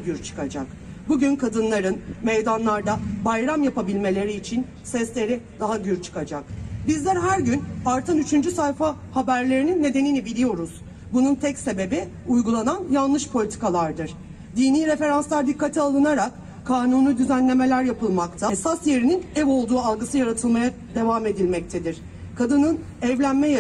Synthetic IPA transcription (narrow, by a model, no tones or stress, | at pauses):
ɟyɾt͡ʃʰɯ̥kad͡ʒak | buɟynkʰad̪ɯnlˠaɾɯnmejd̪anlˠaɾd̪abajɾamjapabilʲme̞lʲe̞ɾiːt͡ʃʰin | sɛslʲe̞ɾid̪aɦaɟyɾt͡ʃʰɯ̥kad͡ʒakbizlʲæɾɦæɾɟynaɾt̪ʰɯnyt͡ʃʰynd͡ʒysajfa | habæɾlʲe̞ɾininːe̞d̪e̞ninibilʲijo̞ɾuz̥ | bununt̪ʰɛcse̞be̞bi | ujɡulˠananjanˠlˠɯʃpʰo̞lʲit̪ʰi̥kalˠaɾd̪ɯɾ̥ | d̪iːniːɾe̞fe̞ɾanslˠaɾd̪ikːat̪ʰialˠɯnaɾak | kʰːaːnunud̪yzænlʲe̞me̞lʲæɾjapɯlˠmakt̪ʰasasje̞ɾininɛvo̞lˠd̪uːalˠɡɯsɯjaɾat̪ʰɯlˠmaja | d̪e̞vaːme̞d̪ilʲmɛc̚t̪ʰe̞d̪iɾ̥ | kʰad̪ɯnɯn | ɛvlʲænmɛj